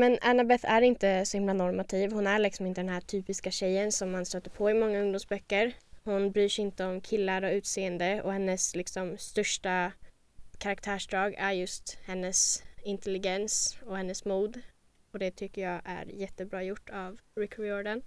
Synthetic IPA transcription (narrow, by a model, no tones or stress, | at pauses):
mɛnanabɛθæɾɪnt̪əsɔhɪmlanɔɾmat̪ʰiːvhʊnæɭɪksɔmɪnt̪əd̪ɛnɦæʈʰyːpɪskaɕɛjːənsɔmːanst̪øːt̪ːəɾpʰɔɪmɔŋːaɵŋd̪ʊmsbœkːəɾhʊnbɾyːʂɪnt̪əɔmkʰɪlːaɾɔʉ̟ːt̪seːənd̪əɔ̰hɛnːəslɪksɔmːt̪œʂʈa | kʰaɾak̚t̪ʰæːʂɖɾɑːɡæɾjɵst̪hɛnːəsɪnt̪ɛlɪɡɛnsɔhɛnːəsmuːd̪ | ɔd̪ɛt̪ʰʏkːəjɑːʔæ̰ɾjɛt̪ːəbɾɑːjʊʈːavɾɪkʰːɾɪɔɾɖan